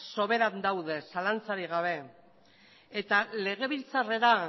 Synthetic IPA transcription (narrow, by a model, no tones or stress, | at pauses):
so̞βe̞ɾand̪awðe̞salant͡saɾiɣ̞aβ̞e̞ | et̪ale̞ɣ̞e̞βilt͡sare̞ɾa